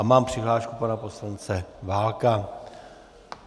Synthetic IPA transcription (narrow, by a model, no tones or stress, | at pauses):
amaːmpr̥ɪɦlaːʃkupanapo̞slant͡sɛvaːlka